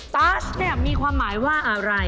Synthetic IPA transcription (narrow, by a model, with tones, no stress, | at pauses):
paː˦˥snɛ˨˩k̚miː˧kʰwaː˧mːaː˩˦jwaː˥˩ʔa˧ɾa˧j